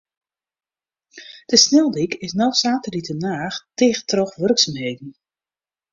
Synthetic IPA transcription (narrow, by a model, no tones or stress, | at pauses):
d̥əsnɛlˠdikɪsnɔwsaːtəlitənaːxtɪːxtrɔxʋørksamheːdn̩